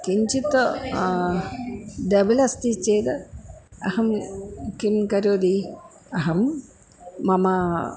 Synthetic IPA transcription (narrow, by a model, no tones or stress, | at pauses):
kiɲt͡ʃit̪o | d̪ɐbɐlɐst̪it͡ʃeːd̪ɨɐhɐmkimkɐɾoːd̪i | ɐɦɐmː | ɐmɐ